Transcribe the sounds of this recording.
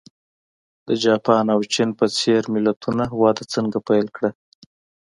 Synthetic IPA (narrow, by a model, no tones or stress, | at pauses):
d̪̥əd͡ʒɑpɑnawt͡ʃinpət͡seɾmɪlat̪ʰunaɦwɑd̪at͡səŋɡapajlkɽa